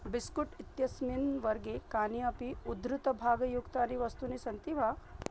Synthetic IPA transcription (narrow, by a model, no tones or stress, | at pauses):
biskuʈit̪jɐsminʋɐɾɡekaːniɐpiud̪ɾut̪ɐbʱaːɡɐjukt̪aniʋɐst̪unisɐnt̪ibʱa